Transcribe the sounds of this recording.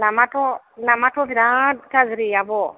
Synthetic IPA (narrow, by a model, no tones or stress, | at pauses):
lamatɔ | lamatɔviɾataziɾijabɔ